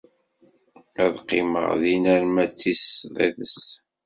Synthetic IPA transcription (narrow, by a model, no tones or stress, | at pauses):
æðqːɪmə̰ʁðinæɾmæt͡sːisðæ̰ðəs